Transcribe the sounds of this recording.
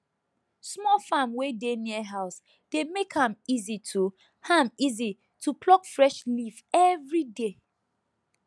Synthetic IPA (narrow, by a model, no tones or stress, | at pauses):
smɔlfamwedeniəɦaʊs | d̥emekhãmizitʰu | hãmizi | tʰupʰlɔkfɹɛʃlifɛvɹide